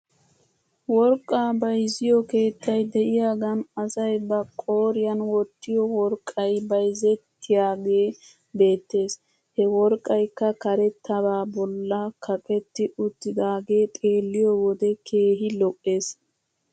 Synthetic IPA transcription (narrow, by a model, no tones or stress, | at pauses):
wɔɾkʼːaːbɐjzɪjɔke̞ːt̪ːɐjd̪ɛʔɪjaːɡɐnɐsɐjbɐkʼːoːɾɪjɐnwɔt̪ːɪjɔwɔɾkʼːɐjbɐjzɛt̪ʰːɪjaːɡe̞ː | be̞ːt̪ːe̞ːs | hɛwɔɾkʼːɐjkːɐkɐɾɛt̪ʰːɐbaːbɔlːɐkʰɐpʼɛt̪ːɪʔʊt̪ːɪd̪aːɡe̞ːt̪ʼe̞ːlːɪjɔwɔd̪ɛkʰe̞ːɦɪlɔʔʼːe̞ːs